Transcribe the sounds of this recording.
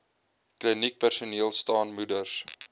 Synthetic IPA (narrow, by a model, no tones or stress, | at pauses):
klinik̚pærsuniəlˠstɑːnmudərs